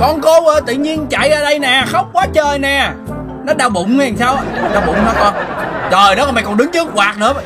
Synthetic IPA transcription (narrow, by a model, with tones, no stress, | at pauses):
kɔ˧nko˨˦wʔəː˧˩t̪ḭ˧˨ɲi˧ənt͡ɕa̰˧˨jzaː˧ɗə˧jnɛː˨˩xə˦˥wk͡p̚kwaː˨˦t͡ɕəː˧jnɛː˨˩ | nɔ˨˦˥ɗaː˧wɓʊ̰˧˨ŋ͡ma˨˩saː˧wɗaː˧wɓʊ̰˧˨ŋ͡mhaː˧˩kɔ˧nzəː˨˩jnɔ˨˦ɔː˨˩ma˨˩jkɔ˨˩nɗɨ˨˦ŋt͡ɕɨ˦˥k̚waː˨˩k̚nɨ̰˧˥ə˧˨˩